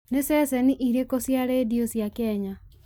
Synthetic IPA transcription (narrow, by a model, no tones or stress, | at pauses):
nesɛsɛniʔiɾekosjaɾediosjakɛɲa